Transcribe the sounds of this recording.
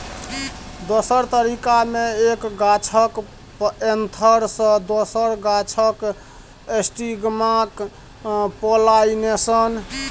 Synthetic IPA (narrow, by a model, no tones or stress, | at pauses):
d̪osəɾt̪əɾikameekɡat͡ʃʰək | ent̪ʰəɾsə̃d̪osəɾɡat͡ʃʰək | esʈiɡmak | polainesən